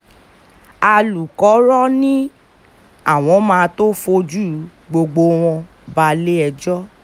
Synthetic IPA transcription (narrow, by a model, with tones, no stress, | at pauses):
a˧lu˨kɔ˨˦ɾɔ˦nĩ˦ | a˦˨w̃ɔ̃˨˧˦mãː˧to˦fo˧˦d͡ʒu˦˨ | ɡ͡bo˧ɡ͡bo˧w̃ɔ̃˧ | ba˧le˦ɛ˧d͡ʒɔ˦